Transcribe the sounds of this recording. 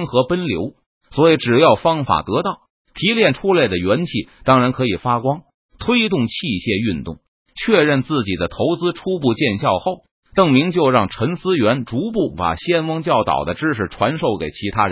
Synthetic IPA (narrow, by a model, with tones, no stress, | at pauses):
ŋxɤ˧˥pə˥nljo̰˧˥ʊ | swɔ˧˥i˨˧˥ʈ͡ʂɻ̩˨˩jɑ˥˩ʊfɑ˥ŋfa̰˨˩t̪ɤ˧˥t̪ɑ˥˩ʊ | t̪ʰi˧˥ljɛ˥˩nʈ͡ʂʰu˥le˥˩ɪd̪ə˩ɥɛ˧˥nt͡ɕʰi˥˩t̪ɑ˥ŋɻa˧˥nkʰɤ˧˥i˨˩fa˥kwɑ˥ŋ | t̪ʰwe˥ɪt̪ʊ˥˩ŋt͡ɕʰi˥˧ɕjɛ˥˧y˥˧nt̪ʊ̰˥˩ŋ | t͡ɕʰɥɛ˥˧ɻə˥˧nt͡sɹ̩˥˩t͡ɕi˨˩d̪ə˦t̪ʰo˧˥ʊt͡sɹ̩˥ʈ͡ʂʰu˥pu˥˧t͡ɕjɛ˥˧nɕjɑ˥˧ʊxo˥˩ʊ | t̪ɤ˥˩ŋmi˧˥ŋt͡ɕjo˥˧ʊɻɑ˥˩ŋʈ͡ʂʰə˧˥nsɹ̩˥ɥɛ˧˥nʈ͡ʂu˧˥p̬u˥˩pa̰˨˩ɕjɛ˥nfɑ˥ŋt͡ɕjɑ˥˩ʊt̪ɑ̰˨˩ʊd̪ə˦ʈ͡ʂɻ̩˥ʂɻ̩˨˩ʈ͡ʂʰwa˧˥nʂo˥˩ʊke˨˩ɪt͡ɕʰi˧˥t̪ʰa˥˧˥